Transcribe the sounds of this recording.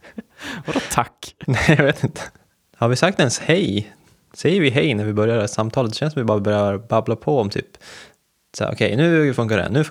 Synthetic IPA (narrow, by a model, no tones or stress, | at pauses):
vad̪ɔt̪ʰakːnɛjɑveːt̪ɪnt̪ə̥ | haɾvɪsak̚t̪ɛnshɛj | sɛjːəɾvɪɦɛjnæɾvɪbœɾjaɾæsamːt̪ʰɑːlət̪ɛɕɛnsɔmvɪbɑːɾabœɾjaɾbablapʰɔɔmt̪ʰy̰ːp | sa̰ʔɔ̰kʰɛjnʉ̟ːfɵŋk̬aɖɛ̰nʉ̟ː